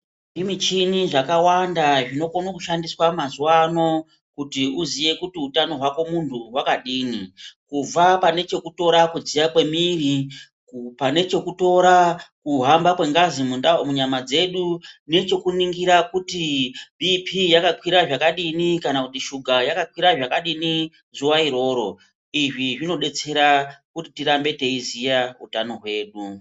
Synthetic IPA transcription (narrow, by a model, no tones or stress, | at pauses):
ʐimit͡ʃiniʐakawandaʐino̞konokuʃandiswamazuwano̞ | kutiuzije̞kutiutano̞ɦwako̞muntʰuwakaɗiːnikub͡vapane̞t͡ʃe̞kuto̞ɾakud͡zijakwe̞miri | kpane̞t͡ʃe̞kuto̞ɾakuɦambakwe̞ŋɡazimunamuɲamad͡ze̞ɗune̞t͡ʃe̞kuniŋɡiɾakutibʱipʰijakakwiɾaʐakaɗinikanakutiʃuɡʱajakakwiɾaʐakaɗini | zuwaiɾo̞ːɾo̞ | iʐiʐino̞ɗe̞t͡se̞ɾakutitiɾambe̞te̞izijaṵtano̞ɦwe̞ːɗu